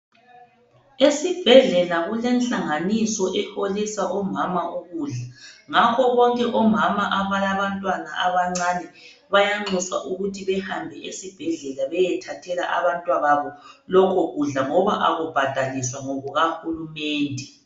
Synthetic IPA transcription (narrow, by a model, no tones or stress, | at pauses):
esib̥ʱɛɮɛlaɣulɛnɬaŋanisɔʔɛholisaʔɔmamaʔuɣuːɮaŋakʰɔβɔŋkʼɛʔɔmamaʔaβalaβantʼwanaʔaβaŋ͡ǀanɛ | βajaŋ͡ǀiswa̰ʔuɣutʰiβɛhambʱɛʔesib̥ʱɛɮɛlaβɛjɛtʰatʰɛla̰ʔa̰βantʼwaβaβɔlɔkʰɔɣuɮaŋɔβaʔa̰ɣub̥ʱad̥ʱaliswaŋɔɣuɣahulumɛːndʱɛ